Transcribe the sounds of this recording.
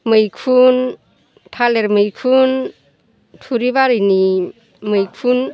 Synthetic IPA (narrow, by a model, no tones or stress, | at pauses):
mɯjkʰun | tʰaleɾmɯjkʰun | tʰuɾibaɾɯjni | mɯjkʰun